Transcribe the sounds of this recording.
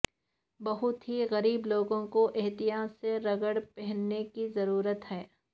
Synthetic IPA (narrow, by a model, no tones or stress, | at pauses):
bɐɦʊt̪ɦiɣɐɾiːbloːɡõkoʔɪɦt̪ɪjaːsːeɾɐɡəɽpɛɦɛnːekizɐɾuːɾət̪ɦɛː